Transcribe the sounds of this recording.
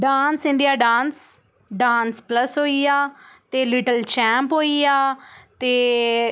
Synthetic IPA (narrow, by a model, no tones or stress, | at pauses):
ɖaːnsɪ̃ɳɖijaːɖãːns | ɖaːnspləsɦoːiːaːt̪eːlɪʈəlt͡ʃɛːmpɦoːiaːt̪eː